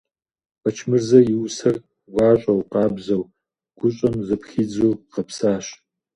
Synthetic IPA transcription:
bɐt͡ʃʰmɨrzɐjɪwsɐr | wʷɑːɕʼɐwqɑːbzɐw | ɡ̥ʷʊɕʼɐmzɐpxid͡zuːqɐpsaːɕ

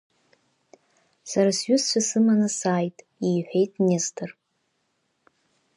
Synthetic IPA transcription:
saɾasɥʏst͡ʃʷʰasɨmanasaːjtʼ | iːħʷᶣe̞jtʼnestʰɨr

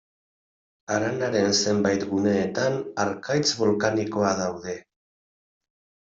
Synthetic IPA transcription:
aɾanaɾe̞nse̞mbajt̪ɣune̞ːt̪anaɾkajt͡sβo̞lkaniko̞aðawðe̞

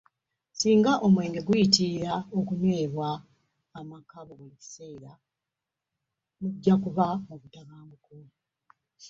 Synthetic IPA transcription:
siːŋɡaʔo̞mwe̞ːŋɡe̞ɡujitiɾao̞kunwe̞ːβwaː | makaβoɡweci̥se̞ːɾa | muɟːakuβaoβutaβaːŋɡuku

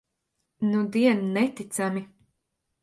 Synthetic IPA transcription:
nud̪iɛnnɛt̪it̪sami

